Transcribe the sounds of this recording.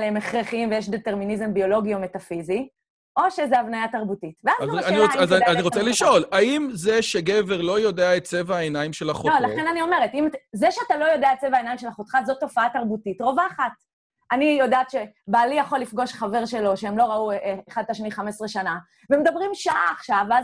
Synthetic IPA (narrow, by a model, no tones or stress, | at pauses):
lemeχʁeχimvejeʃ̬dete̞ʁminizembio̞lo̞ɡio̞metafizi | ʔo̞ʃezeavnajataʁbutitveazanizaniʁot͡seliʃo̞laimzeʃeɡeveʁlo̞jo̞deaet̚t͡sevaaenaimʃelaχololaχenanio̞me̞ʁetimzeʃeatalo̞jo̞deaet̚t͡sevaenajimʃelaχot̪χatzo̞tːo̞faataʁbutitʁo̞vaːχat | anijo̞daːtʃebalijaχo̞lifɡo̞ʃχave̞ʁʃe̞lo̞ʃeemlo̞ʁaueeχad̚taʃniχamesʁeʃana | vemed̪abʁimʃaaːχʃavaz